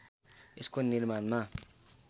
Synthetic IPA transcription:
iskunːilmanma

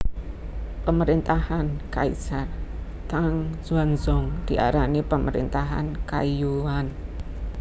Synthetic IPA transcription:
pəməɾint̪ahankaḭsar | t̪aŋz̥uanzɔŋd̪̥iʔa̰ɾanipəmʔəɾḭnt̪aɦa̰nka̰juwan

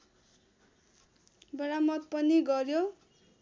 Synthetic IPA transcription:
bʌɾamʌt̪̚pʌniɡʌrjo

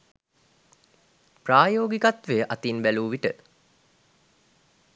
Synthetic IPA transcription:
praːjoːɡikat̪ʋejəʔat̪inbæluːʋiʈə

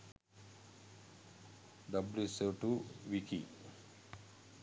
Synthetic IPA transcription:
ɖɐbljuseʈuʋiki

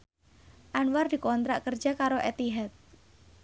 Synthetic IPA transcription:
ʔanward̪i̤kɔnt̪ɾaʔkər̥d͡ʒakaɾoʔet̪iɦɛt̪̚

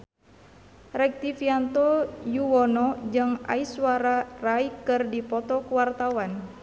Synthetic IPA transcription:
rɛk̚t̪ifiant̪ɔjuwɔnɔd͡ʒɨŋa̰iswaɾaraikɨrdipɔt̪ɔkuwart̪awan

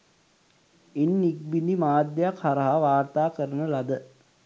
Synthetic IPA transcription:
inːik̚binimaːd̪jɐjakhaɾɐɦaʋaːrt̪aːkəɾənəlɐd̪ə

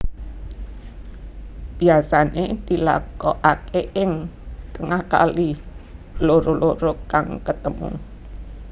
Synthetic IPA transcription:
b̥iasaned̪̥i̤la̰kɔʔakeʔɪŋt̪əŋahka̰li | loɾoloɾokaŋkət̪əmṵ

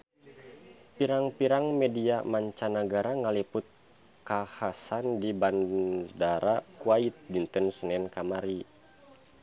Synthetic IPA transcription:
piɾaŋpiɾaŋmɛdiamaɲt͡ʃanaɡaɾaŋalipʊt̪̚ | kahasandibandaɾakuait̪̚dint̪ənsənɛnkamaɾi

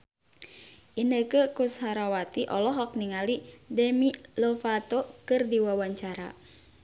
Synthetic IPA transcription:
ʔinəkəkusɦaɾawat̪iʔɔ̰lɔɦɔk̚niŋalidɛmilɔfat̪okɨrdiwawaɲt͡ʃaɾa̰

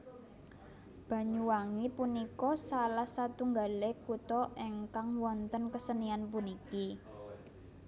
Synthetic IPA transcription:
b̥a̤ɲuwaŋipunikɔsalahsat̪uŋɡa̤lekut̪ɔʔeŋkaŋwɔnt̪ənkəsənianpuniki

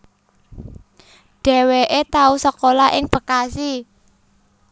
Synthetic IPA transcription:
ɖ̥ɛ̤weʔet̪ausəkolaʔɪŋpəkasi

